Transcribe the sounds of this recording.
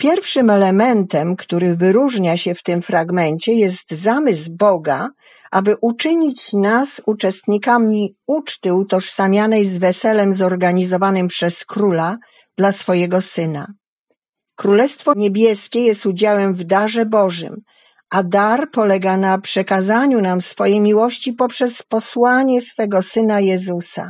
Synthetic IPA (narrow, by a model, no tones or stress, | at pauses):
pʲjɛɾfʂɘmɛlɛmɛnt̪ɛmkt̪uɾɘvɘɾuʐɲaɕɛft̪ɘmfɾaɡmɛnt͡ɕɛjɛst̪zamɘzbɔɡa | ʔabɘʔut͡ʂɘɲit͡ɕnasut͡ʂɛst̪ɲikamʲiut͡ʂt̪ɘut̪ɔʂsamʲjanɛjzvɛsɛlɛmzɔɾɡaɲizɔvanɘmpʂɛskɾula | d̪̥lasfɔjɛɡɔsɘna̰ | kɾulɛst̪fɔɲebʲjɛskʲɛjɛst̪ud͡ʑawɛmvd̪aʐɛbɔʐɘ̰m | ad̪aɾpɔlɛɡanapʂɛkazaɲunamsfɔjejmʲiwɔɕt͡ɕipɔpʂɛspɔswaɲɛsfɛɡɔsɘnajɛzusa̰